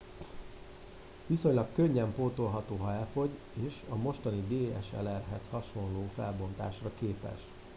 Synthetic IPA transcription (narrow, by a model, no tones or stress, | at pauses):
ʋiso̞ɲlɒkːøɲːɛmpoːt̪olɦɒt̪oːɦɒɛlfo̞ɟ | eːʃɒmo̞ʃt̪ɒnid̪eːɛ̰ʃɛ̰lɛrɦɛzhɒʃo̞nloːfɛ̰lbo̞nt̪a̰ːʃrɒkeːpɛ̰ʃ